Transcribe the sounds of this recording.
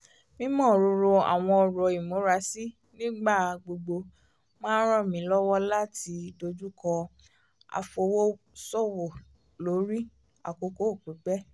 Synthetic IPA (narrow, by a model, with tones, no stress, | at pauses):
mĩ˦mɔ̃ː˦˨ɾo˧ɾo˧a̰˨w̃ɔ̃˧ɔ˧ɾɔ˨i˨mo˨˦ɾa˦si˦ | nĩ˦ɡ͡ba˦˨ɡ͡bo˧ɡ͡bo˧ | mãː˦n˦ɾɔ̃˦˨mĩ˨˦lɔ˦wɔ˦la˦ti˨˧˦do˧d͡ʒu˦kɔ˧ | a̰˧fo˧wo˦ | sɔ˦˨wo˨ | lo˨˦ɾi˦ | a̰˨ko˨˧ko˦o˦˨k͡pu˨˦ɡ͡bɛ˦